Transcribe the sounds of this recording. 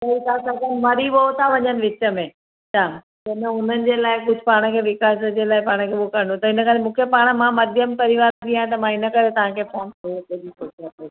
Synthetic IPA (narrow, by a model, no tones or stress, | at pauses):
kɐit̪ʰasɐkənʋɐɾiɓoɦt̪ʰaʋɐɲənɪ̆ʋɪt͡ɕə̆mẽ | t͡ɕʰaː | d͡ʑɐɗəʊn̤ənɪ̆d͡ʑeːlaːɪkʊd͡ʑʱɪpaːɽ̃ə̆kʰeːʋɪkaːsəd͡ʑeːlaːɪpaːɽ̃ə̆kʰeːɓokəɾɳd̪ot̪ɐɦɪnə̆kaːlemũːkʰepaːɽ̃ə̆mãmɐd̪ʱjəmpɐɾɪʋaːɾt̪ʰiãt̪ɐmãɪnəkɐɾet̪ɐʋ̤ãkʰeːfoːnkɐkeɗikosat̪o